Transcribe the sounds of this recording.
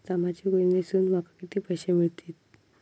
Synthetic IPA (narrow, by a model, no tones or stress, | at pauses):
t̪amat͡ɕiɡoɭinesuːnm̤akakit̪iːpəjɕemiɭt̪iːt̪̚